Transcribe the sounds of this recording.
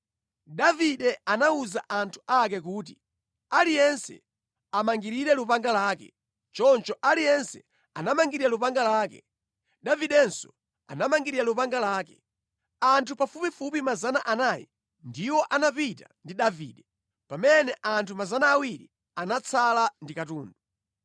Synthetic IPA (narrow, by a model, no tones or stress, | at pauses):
daviɗɛanauzaʔantʰu̥ʔak̬ɛk̬uːt̬i | alijɛnsɛ̰ | amaŋɡiɾiɾɛlupaŋɡalaːkɛ̰ | t͡ʃɔnt͡ʃɔʔalijɛnsɛ | anamaŋɡiɾiɾalupaŋɡalaːkɛ̰ | ɗaviɗɛnsɔ | a̰namaŋɡiɾiɾalupaŋɡalaːkɛ | antʰupafupifupimazanaʔanaːjɛ̰ | ndiwɔʔanapitandiɗaviːɗɛ | pamɛnɛʔantʰumazanaːwiɾḭ | anat͡sʰalandikatuːndu